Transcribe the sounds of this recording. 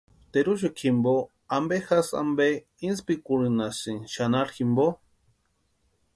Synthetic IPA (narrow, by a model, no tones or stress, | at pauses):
t̪eɾuʃ̬okʰimbo | ambexasa̰mbe | inspikuɾɨnasiŋʃanaɾximbo